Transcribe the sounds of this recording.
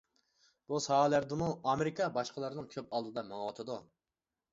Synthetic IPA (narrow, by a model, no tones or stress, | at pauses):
b̥usɑːlæɾd̪ɪmuɑmeɾɪkʰɑbɑʃqəlˠɑɾnɨŋkʲʰøp̚ɑlˠd̪ɨd̪ɑmɑŋwɑt̪ʰɨd̪u